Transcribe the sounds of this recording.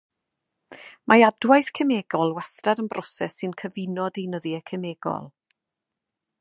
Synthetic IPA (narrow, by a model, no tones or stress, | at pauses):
mʔaadwajθkʰəmeːɡɔlˠwastradənbrʔɔsɛsːɨnkʰəvɪnɔdejnəðiəkʰəmeːɡɔ̰lˠ